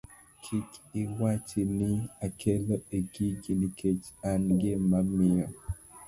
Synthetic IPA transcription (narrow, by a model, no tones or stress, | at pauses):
kʰikɪwat͡ʃiniakʰelɔeɡiɡinikʰet͡ʃanɡemamɪɔ